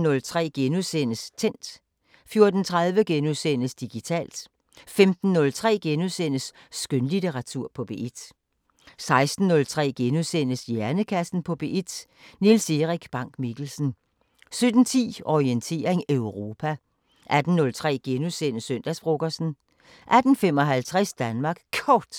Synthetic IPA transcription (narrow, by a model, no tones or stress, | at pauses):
nɔ̽lt͡sʰʁɛ̰ːɡ̥enuðˠsen̰əst͡sʰen̰d̥ | fjo̝ɐd̥n̩t͡sʰʁað̞ˠʋəɡ̥enuðˠsen̰əsd̥iɡ̥it͡sʰɛ̰ːld̥ | femd̥n̩ːɔ̽lt͡sʰʁɛ̰ːɡ̥enuðˠsenəsː | ɡ̥ønlit͡seʁɑ̈t͡sʰuɐ̰pʰɒ̽b̥e̝ʔid̥ | sɑ̈ɪsd̥n̩ːɔ̽lt͡sʰʁɛ̰ːɡ̥enuðˠsen̰əsjæɐnəkʰæsn̩pʰɒ̽b̥e̝ʔid̥ | nilse̝ʁiɡ̥b̥ɑ̈ŋ̰ɡ̥miɡ̥l̩sn̩ | sød̥n̩t͡sʰḭːɒient͡sʰe̝̰ːɐʁeŋøʊʁo̝ːpʰæ | ʔæd̥n̩ːɔ̽lt͡sʰʁɛ̰ːɡ̥enuðˠsen̰əsøn̰d̥æsb̥ʁo̝ɡ̥ɐsn̩ | ʔæd̥n̩fem̰ɒ̽ɦælt͡sʰʁɛsd̥ænmɑ̈ːɡ̥kʰɒːd̥